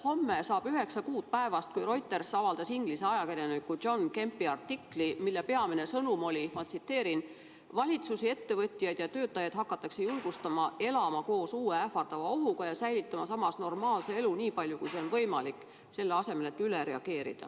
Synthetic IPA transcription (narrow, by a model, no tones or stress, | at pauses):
ho̞mːesɑːb̥yɦe̞ksɑkuːd̪̥̚pæe̞vɑst̪̚kujro̞jt̪ːˑe̞rsɑvɑld̪ɑsiŋɡ̥lise̞ɑjɑkeɾjenykːu̥o̞nke̞mpːˑiɑrt̪ːikːlimilːepe̞ɑminesɤnumo̞lʲimɑt̪sit̪ːe̞ːɾin | vɑlʲit̪susie̞t̪ːe̞vɤt̪ʲːˑijɑjd̪̥jɑt̪ø̞ːt̪ːˑɑjɑd̪̥hɑkːˑɑt̪ːˑɑkse̞julɡ̥ust̪ɑmɑe̞lɑmɑko̞ːsuːeæfɑrd̪̥ɑvɑo̞ɦuɡ̥ɑjɑsæjlit̪ːˑɑmɑsɑmːɑsno̞rmɑːlse̞e̞luniːpɑlʲjukujseo̞nvɤ̞jmɑlikːˑ | se̞lːeɑse̞me̞le̞t̪ːˑyleɾe̞ɑɡ̥e̞ːɾḭd̪̥ɑ̰